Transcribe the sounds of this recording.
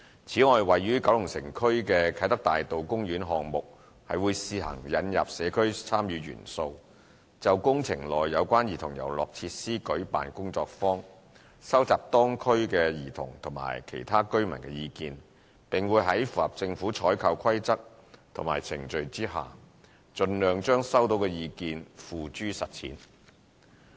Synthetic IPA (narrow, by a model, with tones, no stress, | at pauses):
t͡sʰiː˨˥ŋɔː˨jwɐ˨jːyː˥kɐ˨˥wjʊ˨˩ŋsɪ˨˩ŋkʰɵ˥ɥkɛː˧kʰɐ˨˧˥jt̪ɐ˥k̚t̪aː˨jt̪o˨wkʊ˥ŋjyː˨˥nɦɔː˨ŋmʊ˨k̚ | hɐ̰˨jwuː˨˧jsiː˧ɦɐ̰˨˩ŋjɐ˨˥njɐ̰˨p̚sɛː˨˧kʰɵ˥ɥt͡sʰaː˥mjyː˨˧ɥy̰ː˨˩nso˧w | t͡sɐ˨wkʊ˥ŋt͡sʰɪ˨˩ŋlɔː˨jːɐ˨˧wkʷaː˥njiː˨˩t̪ʰʊ˨˩ŋjɐ̰˨˩wlɔ̰ː˨k̚t͡sʰiː˧t̚siː˥kɵ˨˥ɥpa̰ː˨nkʊ˥ŋt͡sɔː˧k̚fɔː˥ŋ | sɐ˥wt͡saː˨p̚t̪ɔː˥ŋkʰɵ˥ɥkɛ˧jiː˨˩t̪ʰʊ̰˨˩ŋt̪ʰʊ˨˩ŋma̰ː˨˩jkʰḛ˨˩jt̪ʰaː˥kɵ˥ɥmɐ˨˩nkɛ˧jiː˧kiː˧n | pɪ˨ŋwuː˨˧jɦɐ˨˥jfuː˨hɐ˨p̚t͡sɪ˧ŋfuː˨˥t͡ʃʰɔː˨˥jkʰɐ˧wkʰɐ˥jt͡sɐ˥k̚t̪ʰʊ˨˩maː˨˩jt͡sʰɪ˨˩ŋt͡ʃɵ˧ɥt͡siː˥ɦa̰ː˨ | t͡ʃɵ˧nlœː˨ŋt͡ʃœː˥ŋsɐ˥wt̪o˨˥wkɛː˧jiː˧kiː˧nfuː˨t͡ʃyː˥sɐ˨t̚t͡sʰḭː˨˥n